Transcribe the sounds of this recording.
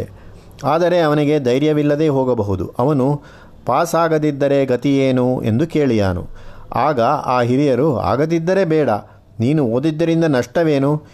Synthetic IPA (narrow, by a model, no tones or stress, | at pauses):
aːd̪ɐɾe̞ɐʋɐniɡe̞d̪ɐjɾjɐʋilːɐd̪e̞ːɦoːɡɐbɐɦud̪ṵʔɐʋɐnu | paːsaːɡɐd̪id̪ːɐɾe̞ɡɐt̪ijeːnue̞̰nd̪ukeːɭija̰ːnṵaːɡɐa̰ːɦiɾijɐɾua̰ːɡɐd̪id̪ːɐɾe̞bɛːɽɐ̰ | niːnuoːd̪id̪ːɐɾind̪ɐnɐʂʈɐʋe̞ːnu